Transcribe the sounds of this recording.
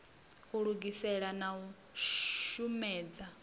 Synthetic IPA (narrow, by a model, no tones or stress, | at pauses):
uɺuɡisɛɺanau | umɛːd͡za